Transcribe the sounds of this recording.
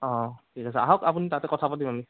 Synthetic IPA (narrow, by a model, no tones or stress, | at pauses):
ɔ̃tʰikasɛa̰ɦɔkapunitatɛkɔtʰapatimami